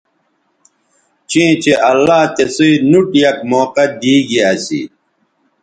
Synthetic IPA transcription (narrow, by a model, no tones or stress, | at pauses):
t͡ɕĩt͡ɕeʔɐlːaːt̪esiinuʈjɐkmoːqɐd̪iːɡiasḭ